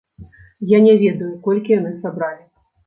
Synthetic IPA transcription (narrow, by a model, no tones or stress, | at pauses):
janʲɛvʲɛd̪ɐjukɔlʲkʲijanɨsabɾalʲi